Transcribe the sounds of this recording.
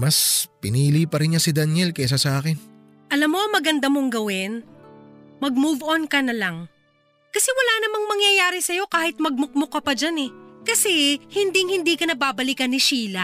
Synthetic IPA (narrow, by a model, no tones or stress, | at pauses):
mɐspɪniːlipɐɾɪnɲasɪd̪ɐnjɛlkɛs̬asɐʔaːkɪn | ʔɐlamːo̞ɐŋmɐɡɐnd̪amoŋɡɐwɪn | mɐɡ̚muvʔonkɐnɐlaŋ | kɐsɛwɐlaːnɐmaŋmɐŋjɐjaːɾɪsɐjo̞kaːhɪt̪̚mɐɡ̚mʊk̚mokɐpɐd͡ʒanɛkɐsɛhɪnd̪iŋhɪnd̪iːkɐnɐbaːbɐlikɐnːɪʃiːlɐ